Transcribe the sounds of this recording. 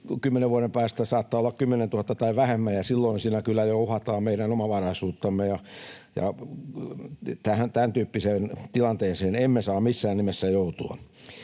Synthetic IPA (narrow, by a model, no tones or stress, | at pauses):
kymːeneʋʋuɑɾempæːst̪æsɑːt̪ːɑːolːɑkkymːenent̪uhɑt̪ːɑt̪ɑiʋʋæhemːæjɑsilːoinsiːnækylːæjouhɑt̪ɑːmmeiɾænomɑʋɑrɑisuːt̪ːɑmːejɑ | jɑ̰ | t̪æhænt̪ænt̪yːpːiseːnt̪ilɑnt̪eːnseːnemːesɑːmmisːæːnnimesːæjout̪uɑ̰